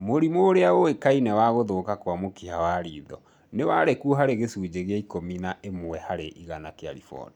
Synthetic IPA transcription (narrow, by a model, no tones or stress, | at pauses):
moɾimoːɾeaowekainɛwaɣoðokakwamokihawaɾḭːðɔ | newaɾekuoɦaɾeɣesuːd͡ʑeɣeaikominaʔemwwɛhaɾeʔiɣanakea̰ɾḭfɔ̰ni